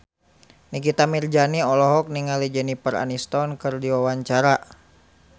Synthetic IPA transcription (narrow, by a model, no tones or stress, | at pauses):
nikit̪amird͡ʒaniɔlɔɦɔk̚niŋalid͡ʒənipəɾa̰nist̪ɔnkɨrdiwawaɲt͡ʃaɾa